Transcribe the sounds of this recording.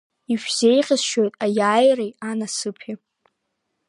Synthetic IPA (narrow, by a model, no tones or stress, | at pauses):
iʃᶣz̥ejχʲʼɪzʃojtʼajaːjrejanasɨpʰi